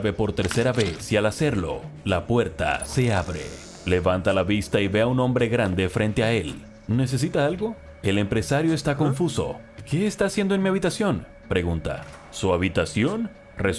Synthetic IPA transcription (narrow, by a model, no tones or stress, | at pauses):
βe̞po̞ɾt̪e̞ɾseɾaβesialase̞ɾlo̞̰lapwe̞ɾt̪a̰se̞aβɾḛ | le̞βant̪alaβist̪aiβe̞auno̞mbɾe̞ɣɾand̪e̞fɾʔe̞nt̪e̞ae̞l | ne̞s̬e̞s̬it̪aalɣo̞ | e̞le̞mpɾe̞saɾjo̞est̪ako̞ɱfuso̞̰ | ke̞ːst̪aːsjend̪oenmiaβit̪asjo̞n | pɾe̞ɣunt̪a̰ | suaβit̪asjon | re